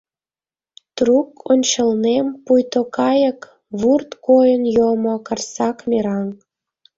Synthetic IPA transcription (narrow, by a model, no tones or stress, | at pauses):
t̪rukonʲt͡ɕəlnempujt̪okɑjə̆k | βurt̪kojənjomokɑrsɑkmʲeɾɑŋ